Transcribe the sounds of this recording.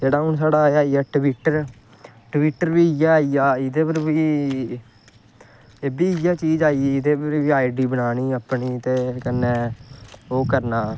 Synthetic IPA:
d͡ʒeːɽaːɦʊnsaːɽaːaːiaːʈʋiʈəɾ | ʈʋiːʈːəɾʋiːijaːaːijaːɪd̪eːpəɾbi | eːbiːijaːt͡ʃiːd͡ʒaːieːɪd̪eːpəɾʋiːaːiɖiːbəɽaːniːəpɳiːt̪eːkənːeː | oːkəɾnaː

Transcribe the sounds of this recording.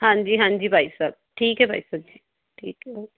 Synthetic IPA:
ɦãnd͡ʒiːɦãnd͡ʒiːbʱaisəb̚ʈʰiːkɦɛbʱajsək̚d͡ʒiː | ʈʰiːkɦɛ

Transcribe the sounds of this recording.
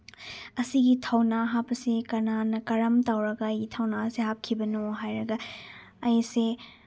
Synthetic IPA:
ɐsiɡitʰɐwnaɦapɐsekɐnanɐkɐɾɐmtawɾɐɡaːjɡitʰɐwnaseɦap̚kʰibɐnoɦajɾɐɡa | ɐjse

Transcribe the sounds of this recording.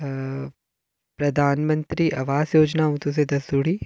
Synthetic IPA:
pɾɐd̪ʱaːnmə̃nt̪ɾiʔɐʋaːzjoːd͡ʒnaɦũt̪us̬ed̪ɐsd̪uːɽi

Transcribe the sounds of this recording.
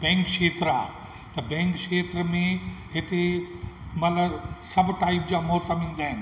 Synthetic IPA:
bɛ̃ːŋkʃeːt̪ɾaː | t̪ɐbɛ̃ːŋkʃeːt̪ɾəmẽɦɪt̪e | mɐt̪ləbsɐbʱʈaːɪpd͡ʑaːmɔːsəmĩːn̆d̪aːɦɪnɪ

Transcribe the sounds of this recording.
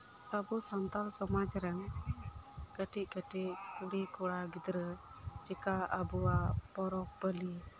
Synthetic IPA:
t̪abusant̪alsɔmad͡ʒɾəŋ | kəʈiʔkəʈiʔkuɽikuɽaɡid̪ɾə | d͡ʒikaabuapɔɾɔk̚pəli

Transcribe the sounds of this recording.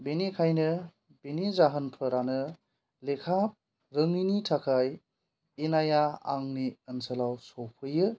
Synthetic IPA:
benikʰajnɯ | b̥enizaɦənpʰɯɾanɯ | lekʰap̚ | ɾɯŋinitʰakʰaj | inajaa̰ŋniənsəlawsɔwpʰɯjɯ

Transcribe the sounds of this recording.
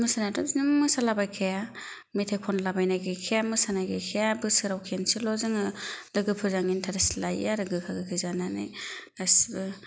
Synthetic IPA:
mɯsanatɔznɯmmɯsalabajkʰaja | mitʰajkʰɔnlabajnajɡajkʰejamɯsanajɡajkʰejabɯsɯɾawkʰensilɔzɯŋɯɾɯɡɯpʰɯzaŋintʰaɾasilajaɾɯɡɯkʰaɡɯkʰɯzananḭasbɯ

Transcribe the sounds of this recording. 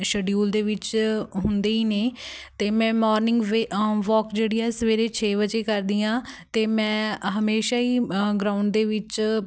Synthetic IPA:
ʃəɖijuːld̪eːʋɪt͡ʃɦʊnd̪eːiːneːt̪eːmɛ̃ːmɔːɾnɪ̃ŋɡʋeʋɔːkd͡ʒeːɽiːɛːsəʋeːɾeːt͡ʃʰeːʋət͡ʃeːkəɾd̪iːãːt̪eːmɛ̃ːɦəmeːʃaːiːɡɾaːʊɳɖ̚d̪eːʋɪt͡ʃ

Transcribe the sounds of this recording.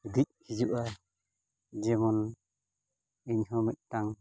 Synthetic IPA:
ud̪ic̚hid͡ʒuʔa | d͡ʒɛmɔn | iɲɦɔmit̪̚taŋ

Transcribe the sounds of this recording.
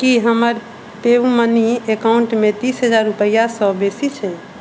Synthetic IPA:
kiɦəməɾ | t̪eʋməniekauɳʈmet̪isɦəd͡ʒaɾːupəjasɔ̃besit͡ʃʰɛ

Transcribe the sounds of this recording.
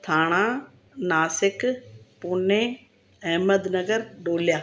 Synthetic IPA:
t̪ʰaːɽ̃ãː | naːsɪkpʊnẽ | ɛɦməd̪nɐɡəɾɖoːljaː

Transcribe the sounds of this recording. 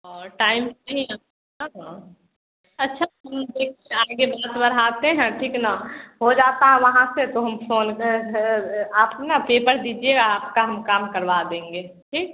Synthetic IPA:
ɔːɾʈaːɪmnɐɦĩna | ɦa | ɐtːʃʰaɦɐmd̪eːkʰeaːɡebaːt̪bɐɾɦaːt̪eɦɛ̃ʈʰiːknaɦod͡ʒaːt̪aɦɛ̃ʋɐɦãset̪oɦɐmfʰoːnk | aːpnapeːpəɾd̪iːd͡ʒieɡaːpkaɦɐmkaːmkəɾʋad̪ẽːŋɡeː | ʈʰiːk̚

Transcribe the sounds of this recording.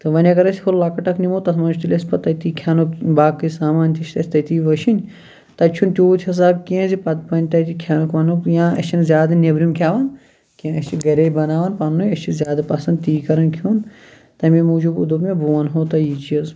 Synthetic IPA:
t̪ɨʋɐnʲɐɡɐɾɐsʲikʰollɐkɐʈɐkʰnimot̪ɐsmɐnd͡ʒʰt̪ilʲɐsʲpɐt̪ɐt̪ikʰaːnukbaːkɨsaːmaːnʲt̪ʰʲiʃʰʲt̪ɐsʲt̪ɐt̪iːʋɐʃʰinʲ | t̪ɐt͡ʃʰunt̪ʲoːt̪ʰiɐs̬aːb̚kiẽzipɐt̪pɐnʲt̪ɐt̪ikʰjaːnukʋɐnujãːɐ̰t͡ʃʰinzʲjaːd̪ɐnʲebɾʲumkʰjaːʋɐn | kiẽɐsʲt͡ʃʰiɡɐɾʲɐibɐnaːʋɐnpaːnnujɐst͡ʃʰizʲjaːd̪ɐpɐsɐ̃nd̪̚t̪iːkɐɾɐnkʰuːn | t̪ɐmẽmuːd͡ʒubṵd̪ubmẽbuʋɐnɦoːt̪ɐjit͡ʃiɐz

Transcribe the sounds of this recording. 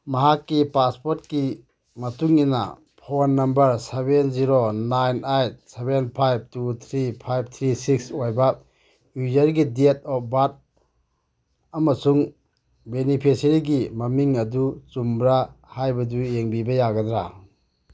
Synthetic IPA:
maɦakːipaspoɾt̚ki | mɐtuŋina̰ | pʰonːɐmbɐɾsebenziɾonajnajt̚sebenpʰajb̚tut̪ʰɾipʰajb̚t̪ʰɾisik̚sojba | juzɐɾɡidiet̚ɔp̚bat̚ | ɐmɐsuŋ | benipʰisɾiɡimɐmiŋɐdut͡ʃumbɾa | hajbɐdujeŋbibɐjaɡɐd̪ɾa

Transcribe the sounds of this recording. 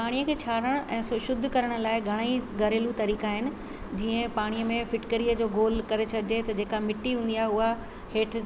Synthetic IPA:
paːɽ̃ijəkʰeːt͡ɕʰaːɾəɽ̃ʔɛ̃ːsʊʃʊd̪ʱːkɐɾəɽ̃ʊ̆laːɪɡʱɐɽ̃əiɡɐɾeːlut̪ɐɾiːkaːɦɪnɪ̆ | d͡ʑiːə̃paːɽ̃ijəmẽfɪʈkəɾijəd͡ʑoːɡoːlkɐɾesʰɐɽ̤ɪd͡ʑet̪ɐd͡ʑeːkamɪʈːiɦũːn̆d̪iaːɦeʊɦa | heːʈ̆ʰ

